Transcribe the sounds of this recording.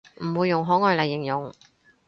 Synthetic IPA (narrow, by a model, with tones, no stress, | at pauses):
m̩˨˩wuː˨˧jːʊ˨˩ŋɦɔː˨˥ŋɔː˨˧jlɐ˨jːɪ˨˩ŋjʊ˨ŋ